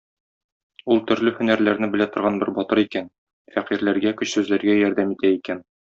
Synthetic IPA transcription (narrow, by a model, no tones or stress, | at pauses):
ulˠt̪ɵ̆ɾlɘhɵ̆næɾlæɾnɘbɘ̆læt̪ŏɾʁɑnbɘɾbɒt̪ɤɾikæn | fæqiɾlæɾɡækɵ̆ɕsʉzlæɾɡæjɒɾd̪æmit̪æikæn